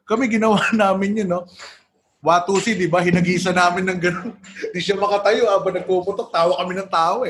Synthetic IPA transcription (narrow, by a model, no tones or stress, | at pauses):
kɐmɛɡɪnɐwanaːmɪnɲonːo | waːt̪uːsɪd̪ɪbɐhɪnɐɡiːsɐnaːmɪnːɐŋɡɐnond̪iʃamɐkɐt̪ɐjoʔaːbɐnɐɡ̚pupʊt̪ok̚t̪aːwɐkːɐmɪnɐŋt̪aːʔoʔɛ